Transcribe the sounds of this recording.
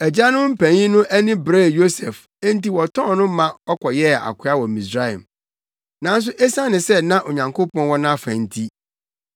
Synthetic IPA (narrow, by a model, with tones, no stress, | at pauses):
æ˨d͡ʑa˦nʊ̃˦m̩˦pʰæ̃˨ɲĩ˦nʊ̃˦ʔæ˦nɪ̃˦bɾe˦˨jo˦sɛ˨f | ɛ̃˦n˦ti˦wɔ˨tʰɔ̃˦nʊ̃˦mã˦ɔ˦kʰɔ˨jɛ˦˨a̰˨kʷʰʊ˦a˦wɔ˨mĩ˨sɾa˦ɛ̰̃˨m | nã˨˦n˦s̬ʊ˦ʔe˦sã˦nɪ̃˨sɛ˦nã˦ʔo˨ɲã˨ŋkʰo˦pɔ̃˦nwɔ˦nã˦fæ̰̃˨n̩˦tʰi˦